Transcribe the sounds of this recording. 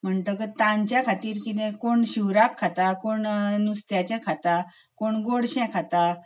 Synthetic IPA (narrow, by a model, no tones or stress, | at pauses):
m̤əɳt̪əkət̪ãɲt͡ɕjakʰat̪iːɾkit̪̬ɛ̃koɳɕiwɾakʰːat̪akoɳnust̪jat͡ɕãkʰat̪a | koɳɡoɽɕɛ̃kʰat̪a